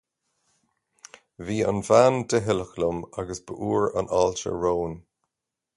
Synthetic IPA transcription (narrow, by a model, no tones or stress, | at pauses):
viːa̰nvand̪əɦɪləxlʊmaɡəsb̥əʔuːɹa̰nalt͡ʃə̰ɹoːn